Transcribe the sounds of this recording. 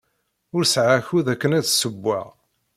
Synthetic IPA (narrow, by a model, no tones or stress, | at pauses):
ʊɾsʕaçuðækːənæðsəbːæ̰ʁ